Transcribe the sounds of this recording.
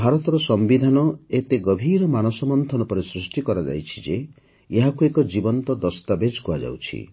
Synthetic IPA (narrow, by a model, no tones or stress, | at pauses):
bʱaɾɔt̪ɔɾɔsɔmbid̪ʱanɔet̪eɡɔbʱiɾɔmanɔsɔmɔnt̪ʰɔnɔpɔɾesɾusʈikɔɾad͡ʒa̰jt͡ʃʰi̥d͡ʒe | eɦakuekɔd͡ʒibɔnt̪ɔd̪ɔst̪abed͡ʒkuad͡ʒa̰wt͡ʃʰḭ